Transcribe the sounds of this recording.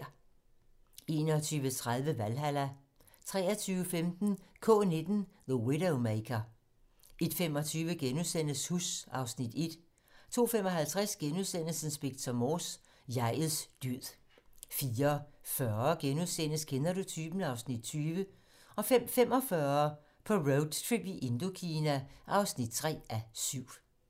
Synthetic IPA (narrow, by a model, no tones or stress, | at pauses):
e̝ːnɒt͡sʰyːʋət͡sʰʁað̞ˠʋəʋælɦælæ | t͡sʰʁɛ̰ːɐt͡sʰyːʊəfemd̥n̩kʰɔ̰̽ːne̝d̥n̩ðəweɾoʊmekʰɐ | e̝d̥fem̰ɒ̽t͡sʰyːʋəɡ̥enuðˠsen̰əshusɑ̈ʊsnid̥e̝d̥ | t͡sʰo̝̰ːfem̰ɒ̽ɦælt͡sʰʁæsɡ̥enuðˠsen̰lsən̩sb̥eɡ̥t͡sʰɒmos | jɑ̈ɪ̰ð̩ˠsd̥yð̰ˠ | fiːɐfɶɐɡ̥enuðˠsen̰əskʰenɐɾo̝t͡sʰyːb̥nɑ̈ʊsnid̥̚t͡sʰyːʋə | ɒ̽fefem̰ɒ̽fɶɐ | pʰɒ̽ʁoʊd̥t͡sʰʁib̥iʔe̝nd̥o̝kʰiːnæʔɑ̈ʊsnid̥̚t͡sʰʁɛ̰ːʔæsyʊ̰